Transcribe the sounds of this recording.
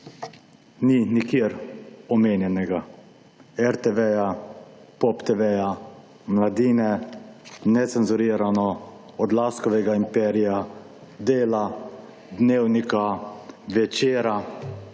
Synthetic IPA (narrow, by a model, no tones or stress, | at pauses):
ninikjeːɾɔmeːnjɛnɛɡa | ɛɾt̪ɛʋɛjapɔpt̪eʋɛja | mlad̪iːnɛ | nɛt̪sɛnzuɾiːɾanɔ | ɔd̪laːskɔʋɛɡaimpɛɾija | d̪eːla | d̪neːwnikaʋɛt͡ʃeːɾa